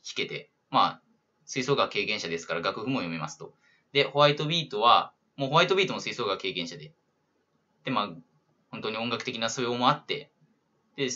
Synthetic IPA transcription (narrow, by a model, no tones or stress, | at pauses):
çi̥ke̞t̪e̞̰ | maː | sɨiso̞ːɡake̞ːkẽɕad̪e̞sɨ̥kaɾaɡakɯ̟ɸɯ̟mo̞jo̞mʲima̰sɨ̥t̪o̞ | d̪e̞ho̞βait̪o̞bʲiːt̪o̞βa | mo̞ːho̞βait̪o̞bʲiːt̪o̞mosɨiso̞ːɡake̞ːkẽ̞ɰ̃ɕad̪e̞ | d̪̥e̞maː | ho̞nt̪o̞ɲ̟ioŋɡakɯ̟̥t̪e̞kʲinasoeomoat̪ːe̞̰ | d̪̥e